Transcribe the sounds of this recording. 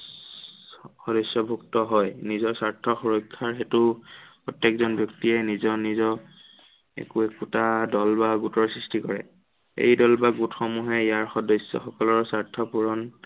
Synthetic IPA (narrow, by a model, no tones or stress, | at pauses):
xɔdɔjsɔbʱuktɔɦɔjnizɔsaɹtʰɔxuɹɔkʰːaɹxetʊpɹɔtjekzɔnbjɔktiɛnizɔnizɔ | ḛkuɛkutadɔlbaɡutɔɹsɹistikɔɹɛ̰ | ḛjdɔlbaɡutxɔmuɦɛijaɹxɔdɔsːɔ̰xɔkɔlɔɹsaɹtʰɔpuɹɔn